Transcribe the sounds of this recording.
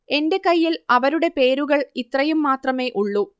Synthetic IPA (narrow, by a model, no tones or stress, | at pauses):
e̞nde̞kɐjːilɐʋɐɾuɽe̞pe̞ːɾuɣɐɭit̪rɐjumːaːt̪rɐme̞ːʔuɭːu